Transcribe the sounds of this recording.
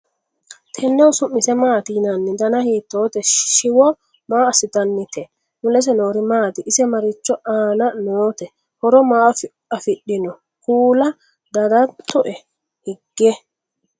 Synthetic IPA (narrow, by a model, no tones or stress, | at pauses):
t̪ʰɛnːɛwsʊmːɪsɛmaːt̪inɐnːɪd̪ɐnɐhiːt̪ːoːt̪ɛʃɪwɔ | maːɐsɪt̪ɐnːɪt̪ɛ | mʊlɛs̬ɛno̞ːɾɪmaːt̪ɪʔɪsɛmɐɾɪt͡ʃːɔʔaːnɐnoːt̪ɛ | hɔɾɔmaːf | ɐfɪɗːɪnɔ | kuːlɐ | d̪ɐd̪ɐt̪ːɔʔɛ | hɪɡːɛ